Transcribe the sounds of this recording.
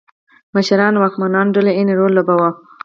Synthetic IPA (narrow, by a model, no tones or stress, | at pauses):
məʃaɾɑnwɑkmanɑnɖəleeneɾolːabawɑ